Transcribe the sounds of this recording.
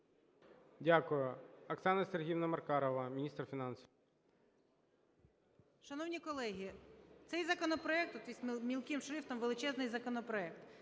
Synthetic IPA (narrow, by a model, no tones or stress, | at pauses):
dʲakʊjʊɐksɑnɐsʲerɦʲiwnɐmɐrkɑɾɔʋɐmʲinʲist̪rfʲinɑnsʲiw | ʃɐnɔwnʲikɔlˠɛɦʲit̪sɛjzɐkɔnɔpɾɔɛk̚t̪ɔt̪isʲmʲilˠkɪmʃɾɪft̪ɔmʋelˠɪt͡ʃɛznɪjzɐkɔnɔpɾɔɛkt̪